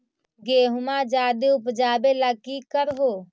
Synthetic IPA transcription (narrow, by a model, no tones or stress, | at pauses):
ɡeːɦʊmaːd͡ʒaːd̪iʊpd͡ʒaːbelakiːkəɾɦoː